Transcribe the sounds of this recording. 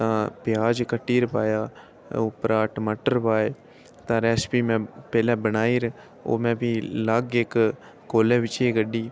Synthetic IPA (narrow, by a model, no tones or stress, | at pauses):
t̪ãːpɪjaːd͡ʒkəʈːiːɾpaːjaː | oːpɾaːʈməʈəɾpaːe | t̪ãːɾɛːspiːmɛ̃ːpɛːlãːbənaːiːɾ | o̰ːmɛ̃ːbʱiːləɡek | koːlẽːʋɪt͡ʃeɡəɗiː